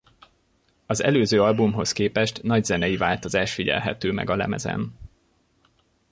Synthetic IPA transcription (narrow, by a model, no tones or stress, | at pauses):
ɒzɛ̰løːzøːɒlbumɦo̞skeːpɛʃt̪nɒɟzɛnɛjivaːlt̪o̞zaːʃt̪fiɟɛ̰lɦɛt̪øːmɛ̰ɡɒlɛ̰mɛ̰zɛ̰n